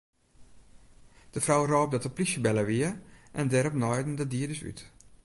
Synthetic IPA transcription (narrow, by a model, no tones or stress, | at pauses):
d̥əfrɔwrɔːp̚dɔtəplisjəbɛləʋiəʔɛndɛɾɔpnɔjdən̩dədiədəsy̰t